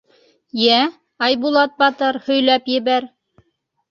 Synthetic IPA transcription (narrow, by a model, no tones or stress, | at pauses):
jæ | ɑjbulˠɑt̪̚bɑt̪ɤɾhɵ̆jlæpjɘ̆βæɾ